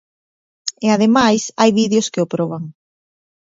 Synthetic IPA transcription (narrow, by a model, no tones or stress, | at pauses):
ɪað̞emajsajβiðjoskɪopɾɔβaŋ